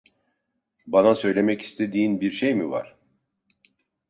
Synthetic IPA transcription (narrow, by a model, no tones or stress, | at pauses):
banasø̞jlʲe̞mɛci̥st̪ʰe̞d̪iːnbiɾʃejmiva̰ɾ̥